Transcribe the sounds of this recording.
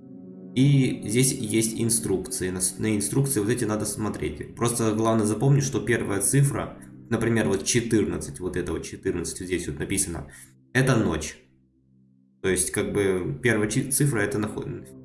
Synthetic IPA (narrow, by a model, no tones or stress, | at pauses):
izʲdʲesʲjesʲtʲɪ̰nst̪ɾukt̪sɨɪnɐsnəɪnst̪ɾuk̚t̪sɨɪvoɛtʲɪnad̪əsmɐt̪ɾʲḛtʲpɾo̞st̪əɡlˠavnəjəzɐpo̞mnʲɪtʲʂt̪o̞pʲe̞rvəjət̪sɨfɾə̰nəpɾʲɪmʲe̞rvo̞t̪t͡ɕɪt̪ɨrnət̪sɨtʲvo̞t̪ɛt̪əvot̪t͡ɕːɪt̪ɨrnət̪sɨ̥tʲdzʲdʲesʲvʲot̪nɐpʲisənə̰ | ɛt̪əno̞̰t͡ɕ | t̪o̞jɪsʲtʲkaɡ̚bɨpʲe̞rvəjət̪sɨfɾəɛt̪ənɐx